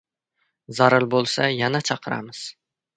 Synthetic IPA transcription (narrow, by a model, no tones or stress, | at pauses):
zaɾɪlˠbolˠsajanat͡ʃʰɑqʰɨɾa̰mɪz̥